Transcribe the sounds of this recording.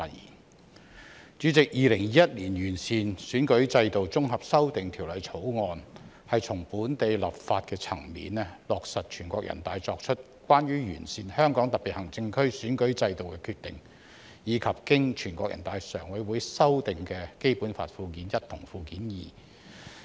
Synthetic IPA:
ḭ˨˩ | t͡ʃyː˨˥t͡sɪ˨k̚jiː˨lɪ˨˩ŋjiː˨˥jɐ˥t̚liː˨˩njyː˨˩nsiː˨˧nsyː˨˥nkɵ˨˥ɥt͡sɐ˧jt̪o˨wt͡sʊ˥ŋɦɐ˨p̚sɐ˥wt̪ɪ˨ŋt̪ʰiː˨˩wlɐ˨˩jt͡sʰo˨˥wŋɔː˧n | hɐ˨jt͡sʰʊ˨˩ŋpuː˨˥nt̪e˨˧jlɐ˨p̚faː˧t̚kɛː˧t͡sʰɐ̰˨˩ŋmḭː˨˥nɛ˥lɔː˨k̚sɐ˨t̚t͡ʃʰyː˨˩nkʷɔː˧˥k̚jɐ̰˨˩nt̪aː˨˧jt͡sɔː˧k̚t͡ʃʰɵ˥t̚ | kʷwaː˥nɥyː˥jy̰ː˨˩nsiː˨nhœː˥ŋkɔː˨˥ŋt̪ɐ˨t̚pːi˨t̚hɐ˨˩ŋt͡sɪ˧ŋkʰɵ˥ɥsyː˨˥nkɵ˨˥ɥt͡sɐ˧jt̪o˨wkɛː˧kʰyː˧t̪ɪ̰˨ŋ | jiː˨˧kʰɐ˨p̚kɪ˥ŋt͡ʃʰyː˨˩nkʷɔː˧k̚jɐ̰˨˩nt̪aː˨jsœː˨˩ŋwɐ˨˥jwuː˨˥jsɐ˥wt̪ɪ˨ŋkɛː˧ke˥jpuː˨˥nfa̰ː˧t̚fuː˧kiː˨˥njɐ˥t̚t̪ʰʊ˨˩ŋfuː˧kiː˨˥njḭː˨˩

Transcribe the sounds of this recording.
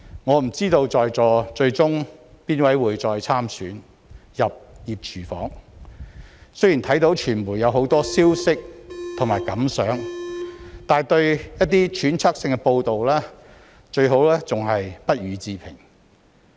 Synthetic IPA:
ŋɔː˨˧m̩˨˩t͡siː˥t̪o˧wt͡sɔː˨˧jt͡sɔː˨˧t͡ʃɵ˧ɥt͡sʊ˥ŋ | piː˥nwɐ˨˥jwuː˨˧jt͡sɔː˧jt͡sʰaː˥msy̰ː˨˥n | jɐ˨p̚jiː˨˩p̚t͡ʃʰyː˨˩fɔ̰ː˨˥ŋ | sɵ˥ɥjiː˨˩nt̪ʰɐ˨˥jt̪o˨˥wt͡ʃʰyː˨˩nmuː˨˩jɐ˨˧wɦo˨˧˥wt̪ɔː˥siː˥wsɪ˥k̚t̪ʰʊ˨˩ŋmaː˨˩jkɐ˨˥msœː˨˥ŋ | t̪aː˨˩nt̪ɵ˧ɥjɐ˥t̚t̪ːiː˥t͡ʃʰyː˨˥nt͡sʰa˥k̚sɪ˧ŋkɛ˧po˧wt̪o˨wlɛː˥ | t͡ʃɵ˧ɥɦo˨˥wlɛː˥t͡sʊ˨ŋɦɐ˨jpɐ˥t̚ɥyː˨˧t͡siː˧pʰɪ˨˩ŋ

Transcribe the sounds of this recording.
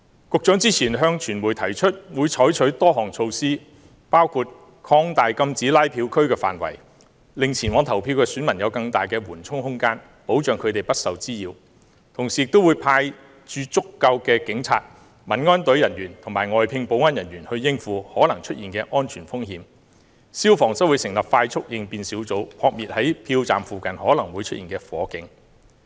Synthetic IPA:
kʊ˨˧k̚t͡ʃœː˨˥ŋt͡siː˥t͡sʰiː˨˩nɦœː˧ŋt͡ʃʰyː˨˩nwuː˨˩jt̪ʰɐ˨˩jt͡ʃʰɵ˥t̚wuː˨˧jt͡sʰɔː˨˥jt͡ʃʰɵ˨˥t̪ɔː˥ɦɔː˨˩ŋt͡sʰo˧wsiː˥ | paː˥wkʰuː˧t̚ | kʰɔː˧ŋt̪aː˨jkɐ˧mt͡siː˨˥laː˥jpʰiː˨˧wkʰɵ˥ɥkɛː˧fa̰ː˨˩nwɐ̰˨˩j | lɪ˨ŋt͡sʰiː˨˩nwɔː˨˧ŋt̪ʰɐ˨˩wpʰiː˧wkɛː˧syː˨˥nmɐ˨˩njɐ˨˧wkɐ˧ŋt̪aː˨˩jkɛː˧wuː˨˩nt͡sʰʊ˥ŋhʊ˥ŋkaː˥n | po˨˥wt͡ʃœː˨ŋkʰɵ˨˧ɥt̪e˨jpɐ˥t̚sɐ˨wt͡siː˥jiː˨˧w | t̪ʰʊ˨˩ŋsiː˨ɪ˧k̚t̪o˥wuː˨˧jpʰaː˧j | t͡ʃyː˧t͡sʊ˥kːɐ˧wkɛː˧kɪ˨˥ŋt͡sʰa̰ː˧t̚ | mɐ˨˩nŋɔː˥nt̪ɵ˨˥ɥjɐ˨˩njyː˨˩nt̪ʰʊ˨˩ŋmaː˨˩jŋɔː˨jpʰɪ˧ŋpo˨˥wŋaː˥njɐ˨˩njyː˨˩nhɵ˧ɥjɪ˥ŋfuː˧hɔː˨˥lɐ˨˩ŋt͡ʃʰɵ˥t̚jiː˨nkɛː˧ʔɔː˥nt͡ʃʰyː˨˩nfʊ˥ŋhiː˧m | siː˥wfɔː˨˩ŋsɐ˥wuː˨˧jsɪ˨˩ŋlɐ˨˩p̚faː˧jt͡sʰʊ˥k̚jɪ˧ŋpiː˧nsiː˨˥wt͡so˨˥wpʰɔː˧k̚miː˨t̚hɐ˨˥jpʰiː˧wt͡sa̰ː˨mfuː˨kɐ˨nhɔː˨˥lɐ˨˩ŋwuː˨˧jt͡ʃʰɵ˥t̚iː˨nkɛː˧fɔ̰ː˨˥kɪ˨˧ŋ

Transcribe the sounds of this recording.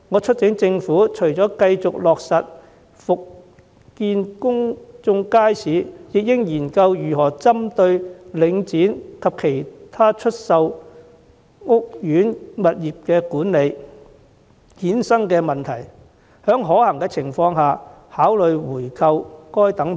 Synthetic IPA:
ŋɔː˨˧t͡ʃʰɵ˥t̚t͡sɪ˨˥ŋt͡sɪ˧ŋfuː˨˥t͡ʃʰɵ˨˩ɥt͡sɔː˨˥kɐ˧jt͡sʊ˨k̚lɔː˨k̚sɐ˨t̚ | fʊ˨k̚ | kiː˧nkʊ˥ŋt͡sʊ˧ŋkaː˥jsiː˨˥jɪ˨k̚jɪ˥ŋjiː˨˩nkɐ˧wjyː˨˩ɦɔː˨˩t͡sɐ˥mt̪ɵ˧ɥlɪ˨˧ŋt͡siː˨˥nkʰɐ˨p̚kʰe˨˩jt̪ʰaː˥t͡ʃʰɵ˥t̚sɐ˨w | ŋʊ˥k̚jyː˨˥nmɐ˨t̚jiː˨p̚kɛː˧kuː˨˥nle˨˧j | hiː˨˥nsɐ˥ŋkɛː˧mɐ˨nt̪ʰɐ˨˩j | hœː˨˥ŋɦɔː˨˥hɐ˨˩ŋkɛː˧t͡sʰɪ˨˩ŋfɔː˧ŋɦaː˨ | haː˨˥wlɵ˨ɥwuː˨˩jkʰɐ˧wkɔː˥jt̪ɐ˨˥ŋ

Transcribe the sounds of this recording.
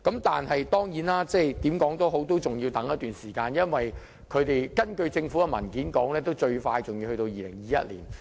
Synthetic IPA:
kɐ˨˥mt̪aː˨nɦɐ˨jt̪ɔː˥ŋjiː˨˥naː˥t͡sɛː˥˩jt̪iː˨˥mkɔː˨˥ŋt̪ɔ˥ɦo˨˥wt̪o˥wt͡sʊ˨˩ŋjiː˧wt̪ɐ˨˥ŋjɐ˥t̪̚yː˨nsiː˨˩kaː˧njɐ˥nwɐ˨j | kʰɵ˨˧ɥt̪e˨jkɐ˥nkɵ˧ɥt͡sɪ˧ŋfu˨˥ɡɐ˧mɐ̰˨˩nkiː˨˥nkɔː˨˥ŋlɛː˥t̪o˥wt͡ʃɵ˧ɥfaː˧jt͡sʊ˨ŋji˧hɵ˧t̪o˧wjiː˨lɪ̰˨˩ŋjiː˨˧jɐ̰˦˥t̚lḭː˨˩n

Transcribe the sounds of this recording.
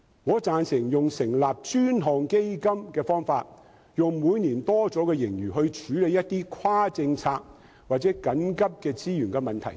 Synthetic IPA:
ŋɔː˨˧t͡saː˧nsɪ˨˩ŋjʊ˨ŋsɪ˨˩ŋlaː˨p̚t͡ʃyː˥nɦɔː˨ŋke˥jkɐ˥mkɛː˧fɔː˥ŋfaː˧t̚ | jʊ˨ŋmuː˨˧jniː˨˩nt̪ɔː˥t͡sɔː˨˥kɛː˧jɪ˨˩ŋjyː˨˩ɦɵ˧ɥt͡ʃʰyː˨˥le˨˧jɐ˥t̪̚iː˥kʰwaː˥t͡sɪ˧ŋt͡sʰaː˧k̚ | waː˨˩t̚t͡sɛː˨˥kɐ˨˥nkɐ˥p̚kɛː˧t͡siː˥jyː˨˩nkɛː˧mɐ˨nt̪ʰɐ̰˨˩j

